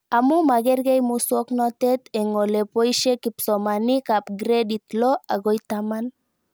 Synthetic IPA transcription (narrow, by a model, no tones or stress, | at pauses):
amumaɡeɾɡejmusuoknot̪et̪eŋolepojʃekipsomanikapɡɾedit̪loaɡojt̪aman